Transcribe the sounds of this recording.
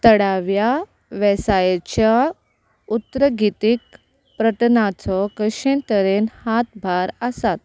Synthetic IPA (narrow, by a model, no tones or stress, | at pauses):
t̪əɽaʋja | ʋɛsajet͡ɕja | ut̪ːɾəɡit̪ik̚ | pɾəʈ̪nat͡sɔkəɕẽnt̪əɾenhat̪bʱaɾəsat̪̚